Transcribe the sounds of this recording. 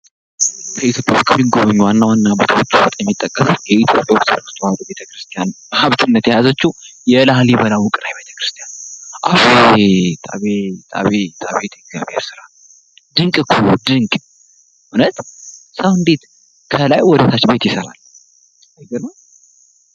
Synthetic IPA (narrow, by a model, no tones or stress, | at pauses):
kʰəit̪ʰjo̞pʼja̰woskʰəmːiɡoβəɲːuwanːawanːabət̪ʰəwot͡ʃːubot̪ʼjɛmːit̪ʼːəkʼːəsjɛit̪ʰjo̞pʼjawoksɨɾkst̪ʰowad̪ube̞t̪ʰəkɾɨst̪ʰijanməhaβt̪ʰɨnːət̪jajazət͡ʃːujɛlahljɛbəlawukʼɨɾajbe̞t̪ʰə̥kɾɨ̥st̪ʰijanʔafet̪ʰʼa̰βet̪ʰʼa̰βet̪ʰʼa̰βet̪ʰəɡzja̰βhḛɾsɨɾal | d̪ɨŋkʼɨkʰːud̪ɨŋkʼ | hʊnət̪səwɨnd̪e̞t̪ | kʰəlajwɔd̪ət̪ʰat͡ʃːbe̞t̪jɪsəɾa̰l | ɡəlaw